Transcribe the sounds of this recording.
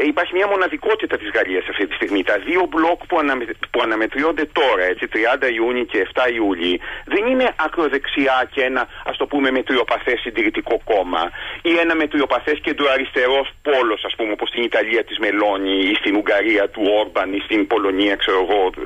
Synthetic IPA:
ipɐɾçimɲɐmo̞nɐðiko̞t̪it̪ɐt̪izɣɐʎiɐsɐft̪it̪ist̪iɣmit̪ɐðio̞blo̞kpuɐnpuɐnɐme̞t̪ɾio̞nd̪e̞t̪o̞ɾɐe̞t͡sit̪ɾiɐnd̪ɐiuɲice̞ːft̪ɐiuʎiðe̞nine̞ʔɐkɾo̞ðe̞ksiɐceenɐɐ̰st̪o̞pume̞me̞t̪ɾio̞pɐθesind̪iɾit̪iko̞ko̞mɐ̰ie̞nɐme̞t̪ɾio̞pɐθe̞sce̞d̪uɐɾist̪e̞ɾo̞spo̞lo̞sɐspumeopost̪init̪ɐʎiɐt̪izme̞lo̞ɲiist̪inuŋɡɐɾiɐt̪uo̞ɾbɐnist̪inpo̞lo̞niɐkse̞ɾo̞ɣo̞

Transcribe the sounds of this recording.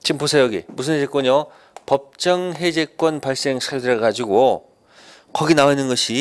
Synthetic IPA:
t͡ɕimposʰejʌɡimusʰɯnɦed͡ʑe̞k͈ʌɲʌ | pʌp̚t͡ɕ͈ʌŋɦe̞d͡ʑe̞k͈wʌnpaɭs͈e̞ŋsʰiakdɯɾɯɡad͡ʑiɡo | kʌɡinawainɯnɡʌɕʰi

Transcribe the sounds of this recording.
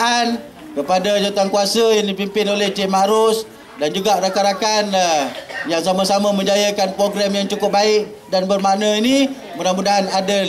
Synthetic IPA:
an | kəpadad͡ʒot̪aŋkuasəjandipimpɪnolɛhd͡ʒɛmaɾʊs | dand͡ʒuɡaɾakaɾakan | jaŋs̬amasamamə̃ɲd͡ʒajəkanpɾoɡɾamjaŋt͡ʃukʊp̚baɪʔ̚ | danbərmaʔnəini | mənamudaɦanada

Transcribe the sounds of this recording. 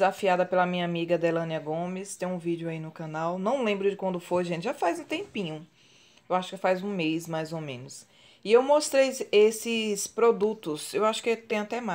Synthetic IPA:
zafiad̪ɐpelɐmĩɲɐamiɡɐd̪elɐ̃niɐɡõmɪst̪ẽj̃ũvid͡ʒɪʊainʊkɐ̃nawnɐ̃w̃lẽmbɾʊd͡ʒɪkwɐ̃nd̪ʊfojʒẽnt͡ʃɪʒafajzũt̪ẽmpĩɲʊ̃ | ewaʃʊ̥kɪfajzũmejsmajzomẽnʊs | ɪewmost̪ɾejesɪspɾod̪ut̪ʊsewaʃʊ̥kɪt̪ẽj̃at̪ɛma

